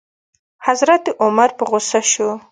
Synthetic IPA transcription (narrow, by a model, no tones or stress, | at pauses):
hazɾat̪ɪʔʊmaɾpəɣosaʃu